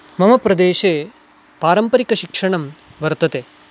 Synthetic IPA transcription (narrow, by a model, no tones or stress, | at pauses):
mɐmɐpɾɐd̪eːʂeː | paːɾɐmpɐɾikɐʃikʂɐɳɐmʋɐɾt̪ɐt̪eː